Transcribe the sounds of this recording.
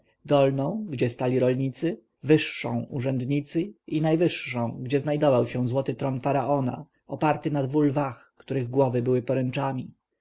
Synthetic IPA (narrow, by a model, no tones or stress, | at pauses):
d̪ɔlnɔ̃w̃ɡd͡ʑɛst̪alʲiɾɔlɲit̪sɘ | vɘʂːɔ̰̃w̃uʐɛnd̪ɲit̪sɘinajvɘʂːɔ̃w̃ɡd͡ʑɛznajd̪ɔvawɕɛ̃zwɔt̪ɘt̪ɾɔnfaɾaʔɔna̰ | ɔpaɾt̪ɘnad̪vulvaxkt̪uɾɘɣɡwɔvɘbɘwɘpɔɾɛnt͡ʂamʲi